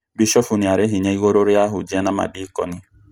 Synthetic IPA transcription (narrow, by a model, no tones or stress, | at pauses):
biʃɔfuniaɾeɦiɲaiɣoɾoɾeaɦʊd͡ʒiɛnama̰dikɔ̰ni